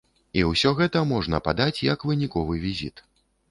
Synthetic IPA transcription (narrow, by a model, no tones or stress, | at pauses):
iwsʲɔɣɛt̪ɐmɔʐnɐpad̪at͡sʲjɐkvɨnʲikɔvɨvʲizʲit̪